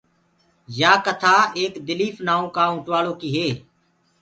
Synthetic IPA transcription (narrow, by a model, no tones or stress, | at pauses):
jaːkət̪ʰaːeːkd̪ɪliːfnaːõːkaːũːʈʋaːloːkiːɦeː